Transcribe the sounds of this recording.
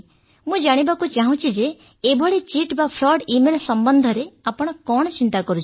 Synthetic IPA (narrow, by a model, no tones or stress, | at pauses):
mũd͡ʒaɽ̃ibakut͡ʃaɦũt͡ʃʰid͡ʒeː | bʱɔɭet͡ʃiʈbapʰɾɔɖimelsɔmbɔnd̪ʱɔɾeapɔɽ̃ɔkɔɽ̃ɔt͡ʃint̪akɔɾut͡ʃʰi